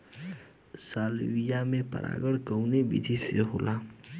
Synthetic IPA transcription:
saːlwijamẽpə̰ɾʔa̰ːɡəɽkəwnebḭd̪ʱisjəɦoːla

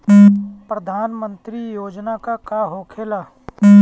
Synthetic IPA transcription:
pɾəd̪ʱaːnmə̃nt̪ɾijoːd͡ʒnakakaɦoːkʰeːlaː

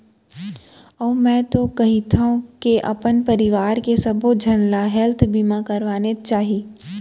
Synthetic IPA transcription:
ɔːmɛ̃ːt̪okɐɦit̪ʰaũkeʔɐ̰pənpɐɾɪʋaːɾkesɐbod͡ʒʱɐnlaɦɛlt̪ʰbimãkɐɾʋaːnet͡ʃaːɦi

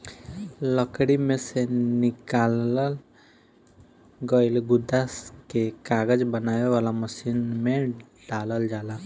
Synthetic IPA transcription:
ləkɽimẽsenɪkaːləl | ɡəɪlɡʊd̪askekaːɡəd͡ʒbənaːʋeʋaːlaməʃiːnmẽ | ɖaːləld͡ʒaːla

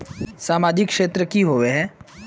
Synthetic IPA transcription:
saːmaːd͡ʒɪkːʃeːt̪ɾəkiɦoːʋeɦɛ̃ː

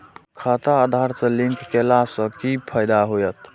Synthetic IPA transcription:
kʰat̪aːd̪ʱaɾsə̃liŋkːelasə̃kipʰəjd̪aɦojət̪

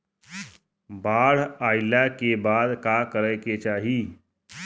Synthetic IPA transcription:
baːɽ̤ajljakebad̪kakəɾəjket͡ʃaːɦiː

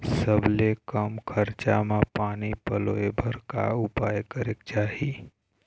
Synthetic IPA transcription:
səblekəmkʰəɾt͡ʃa̰mãpaːnipəloebʱəɾka̰ʊpaːjkəɾekt͡ʃaːɦi

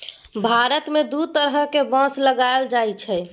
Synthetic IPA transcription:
bʱaɾət̪med̪ut̪əɾɦəkebə̃sləɡaeld͡ʒajt͡ʃʰɛ

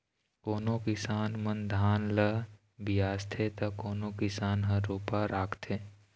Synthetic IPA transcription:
koːnokɪsaːnmənd̪ʱaːnlə | bijaːst̪ʰet̪ɐkoːnokɪsaːnɦəɾoːpaɾaːkʰt̪ʰeː

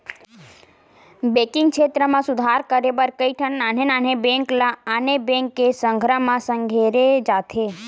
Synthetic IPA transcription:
bekiŋɡ̚kʃʰet̪ɾəmãsʊd̪ʱaɾkəɾebəɾkəiʈʰənnanenanebẽŋklaːnebẽŋkesəŋɡʱɾamãsəŋɡʱeɾed͡ʒat̪ʰe

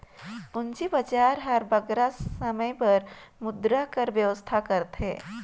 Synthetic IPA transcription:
ʊnt͡ʃibət͡ʃaɾɦəɾbəɡɾasəməjpəɾmʊd̪ɾakəɾʋjəʋəst̪ʰakəɾt̪ʰɦḛ̃

